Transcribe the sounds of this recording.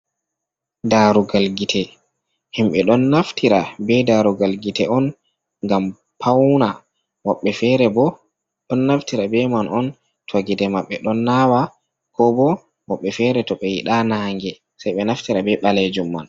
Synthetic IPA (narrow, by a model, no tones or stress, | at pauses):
daɾuɡalɡitʰɛ | himɓɛɗɔnːaftʰiɾabɛdaɾuɡalɡitɛɔn | ŋɡam | pʰawna | mɔɓːɛfɛɾɛbɔ | ɗɔnːaftiɾabɛmanʔɔn | tʰwaɡidɛmaɓːɛɗɔnːawa | kɔbɔ | mɔɓːɛfɛɾɛtɔɓɛjiɗanaːŋɡɛ | sajɓɛnaftiɾabɛɓalɛd͡ʒumːa̰n